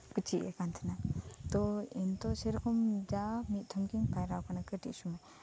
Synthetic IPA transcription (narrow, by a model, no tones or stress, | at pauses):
kət͡ʃʰiɛ̰kant̪ʰɛnat̪ɔint̪ɔsɛɾɔkʰɔmd͡ʒamit̪̚ˀt̪ʰɔmkiŋpajɾawkanakəʈḭʔsumaj